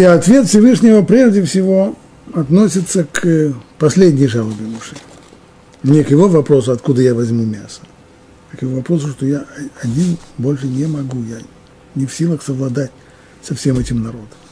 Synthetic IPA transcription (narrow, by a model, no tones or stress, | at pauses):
iɐt̪vʲe̞t̪fsʲɪvɨʂnʲɪvəpɾʲe̞ʐdʲɪfsʲɪvo̞ | ɐt̪nosʲɪt̪səkpɐsʲlʲedʲnʲɪjʐalˠəbʲɪmʊʂɨ | mnʲekjɪvo̞vɐpɾo̞sʊɐt̪kud̪əjavɐzʲmumʲasə̥ | kjɪvovɐpɾos̬ʊʂt̪ojaɐɐdʲinbo̞lʲʂɨnʲɪmɐɡuja | nʲɪfsʲilˠəxsəvlˠɐd̪atʲ | sɐfsʲe̞mɛtʲɪmnɐɾo̞d̪əm